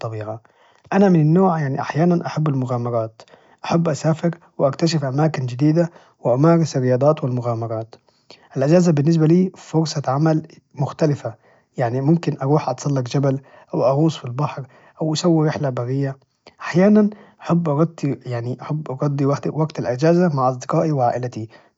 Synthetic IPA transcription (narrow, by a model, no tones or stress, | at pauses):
t̪ˤːɑbiːʕa | ʔanamɪnɪnːoːʕjaʕniʔaħjaːnanʔaħabːɪlmʊɣaːmɑɾˤɑːt̪ | ʔaħabːʔasaːfɪɾ | wɪʔakt̪aʃɪfʔamaːkɪnd͡ʒɪd̪iːd̪a | wɪʔamaːɾɪsɾːɪjɑːd̪ˤɑːt̪wɪlmʊɣaːmɑɾˤɑːt̪ | ʔɪlʔad͡ʒaːzabɪnːɪs̬baliːfʊɾsˤɑʕamal | mʊxt̪ælɪfa | jaʕnimʊmkɪnʔɑɾuːħʔɑt̪sˤɑlːɑqd͡ʒæbæl | ʔawʔɑɣuːsˤfilbɑħɾ | ʔawʔasawːiɾɪħlabɑɣɪjːa | ʔaħjaːnanʔaħabːʔɑɾˤɑd̪ˤːijaʕniʔaħabːʔɑɾˤɑd̪ˤːiwaħd̪waɡt̪alʔad͡ʒaːzamaʕʔɑs̬ˤd̪ɪqɑːʔiwɪʕaːʔɪlat̪i